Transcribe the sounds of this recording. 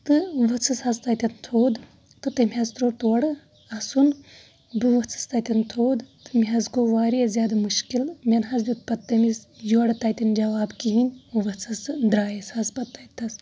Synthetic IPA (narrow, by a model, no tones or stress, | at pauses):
t̪ɨʋɐt͡sʰɨshɐzt̪ɐt̪ʲɐnt̪ʰoːd̪ | t̪ɨt̪ɐmʲiɦɐzt̪ɾoːt̪oːɐɽɨ | ɐsun | bɨʋɐt͡sʰɨ̥st̪ɐt̪ʲɐnt̪ʰoːd̪t̪ɨmʲiɦɐzɡoːʋaːɾijɐzʲjaːd̪ɐmuʃkilmʲɐnɦɐzbʲit̪̚pɐt̪ːɐmisjuɽɨt̪ɐːt̪ʲɐnd͡ʒɐʋaːbkiɦinʲuʋɐt͡sʰɨsd̪ɾaːjɐshɐzpɐt̪ːɐt̪ʰɐs